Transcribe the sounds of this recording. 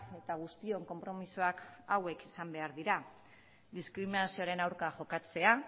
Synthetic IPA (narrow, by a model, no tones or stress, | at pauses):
e̞t̪aɣ̞ust̪io̞ŋko̞mpɾo̞misoakawe̞kesambe̞aɾðiɾa | ðiskɾiminasio̞aɾe̞nawɾkaʝo̞kat͡se̞a